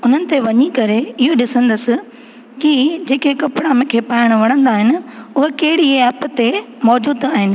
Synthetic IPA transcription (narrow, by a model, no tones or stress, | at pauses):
ʊn̤ənɪ̆t̪eʋɐɲikɐɾeɪɦoɗɪsə̃nd̪əsɪ̆ | kɪd͡ʑeːkʰekɐpɪɽamẽkʰeːpaːɪɽ̃ʋɐɽ̃ə̃nd̪aːɦɪnɪ̆ʊɦekɐɦɪɽiɛːpt̪e | mɔːd͡ʑuːd̪aːɦɪnɪ̆